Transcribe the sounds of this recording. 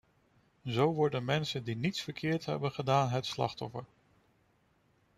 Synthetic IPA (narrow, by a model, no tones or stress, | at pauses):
zowʋɔɹdənmɛnsəndinitsfəɹkʰɪːɹtɦɛ̰bənχədaːnɦətslɑ̰χtɔfəɹ